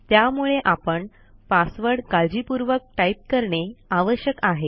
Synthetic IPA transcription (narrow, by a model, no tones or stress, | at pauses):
t̪jamuɭeʔapəɳ | pasʋəɽkald͡ʑipuɾʋək̚ʈaip̚kəɾɳeaʋəɕjəkaɦe